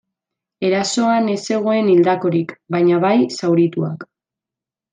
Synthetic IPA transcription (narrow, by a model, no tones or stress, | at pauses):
e̞ɾaso̞ane̞se̞ɣ̞o̞e̞nild̪ako̞ɾikbajɲaβajsawɾit̪uak